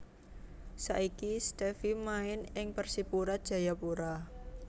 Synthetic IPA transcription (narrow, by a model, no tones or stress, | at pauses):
saʔikist̪ɛfimaɪnɪŋpərsipuɾadʒ̥a̤japuɾa